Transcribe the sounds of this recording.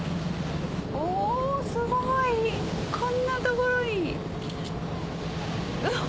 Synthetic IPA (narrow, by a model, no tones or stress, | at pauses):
oːsɨɡoɡoi | kʰõnːat̪okoɾoi